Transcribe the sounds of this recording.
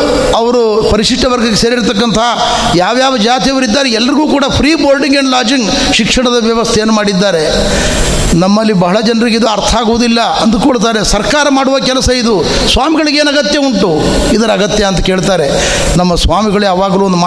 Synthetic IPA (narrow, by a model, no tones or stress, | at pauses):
ɐʋɐɾupɐɾiʂiʂʈːɐʋɐɾɡɐkːeseːɾiɾt̪ɐkːɐnt̪ʰɐ | jaːʋjaːʋɐd͡ʒaːt̪iɐʋɐɾid̪ːaːɾeɛlːɐɾiɡuːkuːɽɐpʰɾiːboːlɖiŋɡeːɳlaːd͡ʒiŋɡ | ʃikʂɐɳɐd̪ɐʋjɐʋɐst̪ʰejeːnːumaːɽid̪ːaːɾe̞ | nɐmːɐlːibɐɦɐɭɐd͡ʒɐnɐɾiɡid̪uɐɾt̪ʰɐaːɡuʋud̪ilːɐɐnd̪ukoːɭt̪̬aːɾe̞sɐɾkaːɾɐmaːɽuʋɐkɛlɐsɐid̪u | sʋaːmiɡɐɭiɡeːnɐɡɐt̪jɐuɳʈu | id̪ɐɾɐɡɐt̪jɐːnt̪ɐke̞ːɭt̪aːɾe̞ | nɐmːɐsʋaːmiɡɐɭujaːʋaːɡɐluːond̪uma